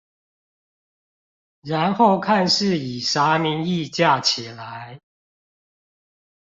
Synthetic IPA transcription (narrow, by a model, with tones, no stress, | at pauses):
ɻa˨˦nxo˥˨˩ʊkʰa˥˧nʂɻ̩˥˨i˨˩sa˨˥˦mi˧˥ni˥˧˨t͡ɕja˥˨t͡ɕʰi˨˩la˨˦ɪ